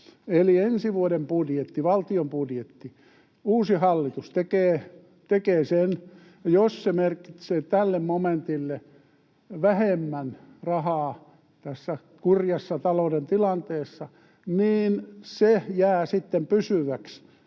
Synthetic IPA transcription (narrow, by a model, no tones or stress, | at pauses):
eliensiʋuodempudjet̪ːiʋɑlt̪iompudjet̪ːi | uːsihɑlːit̪ust̪ekeː | t̪ekeːsen | jossemerkit̪seːt̪ælːemmoment̪ilːe | ʋæhemːænrɑhɑː | t̪æsːæ | kurjɑsːɑt̪ɑloudent̪ilɑnt̪eːsːɑ | niːnsejæːsit̪ːempysyʋæks